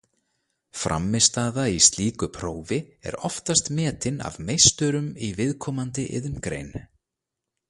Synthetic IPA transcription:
fɾa̰mːɪst̪aːðaist̪liːkʏpʰɾoːwvɪɛ̰ɾɔft̪ast̪mɛːt̪ɪna̰vmejst̪ʏɾʏmivɪðkʰɔːmant̪ɪʔɪ̰ðʏmkɾḛjnʏ

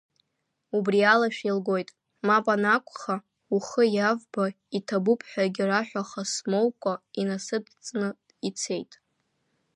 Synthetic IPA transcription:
ubrialaʃᶣilɡo̞jtʼ | mapʼanakʷʰʼχa | uχəjavba | itʰabupʰħʷᶣaɡʲɪraħʷᶣaχasmowkʷʼainasɨdt͡sʼnɨ | it͡sʰe̞jtʼ

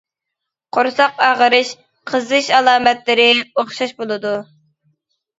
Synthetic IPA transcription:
qʰoɾsɑqɑːʁəɾɨʃ | qʰəzɨʃɑlˠɑːmɛt̪lɪɾɪoχʃɑʃbolˠɨd̪u

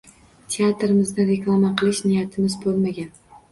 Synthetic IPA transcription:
t̪ʰe̞at̪ɾɪmɪzd̪ɪɾe̞klˠamaqʰɨlˠɪʃnɪjat̪ʰɪmɪzbolˠmaɡʲan

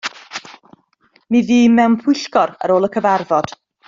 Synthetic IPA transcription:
miðiːmɛwnpʰʊɨɬkɔɾə̰ɾoːlˠəkʰəvarvɔd̥

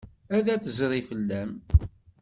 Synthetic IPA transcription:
æðæt͡sːəzɾˤifəlːæm

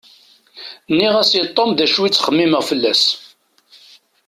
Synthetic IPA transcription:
nːiʁæsit̪ˤːomðæʃwit͡sːχəmːiməʁfəlːæs

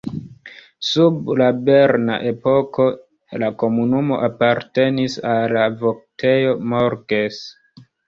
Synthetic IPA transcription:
sublabe̞ɾna̰ʔe̞po̞ko̞ | lako̞munumo̞̰ʔapaɾte̞nisalavok̚tʰe̞jo̞moɾɡes

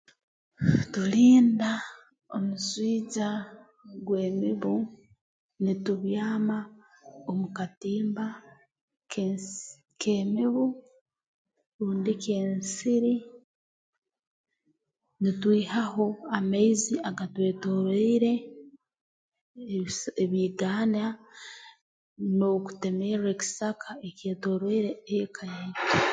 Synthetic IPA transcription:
tuliːnda | omuswiːɟa | ɡwe̞ːmiβu | nituβjaːma | omukatiːmba | k | kʰeːmiβu | ɾuːndikeːnsiɾi | nitwiːhaɦoamaiziaɡatwe̞ːto̞ɾoiɾe̞ | eβiːɡaːna | no̞ku̥temeɾeki̥sakʰaece̞ːto̞ɾwoiɾeeekʰajaite

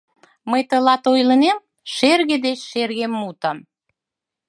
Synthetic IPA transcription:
məjt̪əlɑt̪ojlə̆nem | ʃerɣed̪et͡ɕʃerɣemːut̪əm

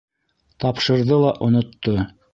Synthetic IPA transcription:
t̪ɑpʃɤ̆ɾðɤlˠɑʔŏnŏt̪ːo

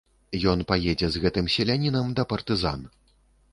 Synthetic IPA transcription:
jɔn̪pajɛd͡zʲɛzɣɛt̪ɨmsʲɛlʲanʲinɐmd̪ɐpɐrt̪ɨza̰n

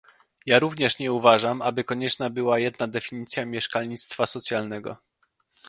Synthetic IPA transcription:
jaɾuvɲɛʂɲɛuvaʐamʔabɘkɔɲɛt͡ʂnabɘwajɛd̪nad̪ɛfʲiɲit̪sʲjamʲjɛʂkalɲit̪st̪fasɔt̪sʲjalnɛɡɔ̰

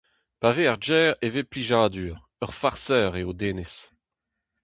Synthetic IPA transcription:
paveaʁd͡ʒɛːʁevepliʒaːd̪yːʁ | œʁfaʁsœːʁeod̪eːnes

